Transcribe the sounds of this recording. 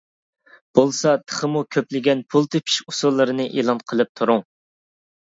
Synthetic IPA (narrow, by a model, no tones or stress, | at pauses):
b̥olˠsɑt̪ʰə̥χəmukʲʰøplɪɡʲɛnpʰulˠt̪ʰɨpʰi̥ʃu̥sulˠːɨɾɨnɨʔḛlˠɑnqʰəlˠɨp̚t̪ʰuɾʊŋ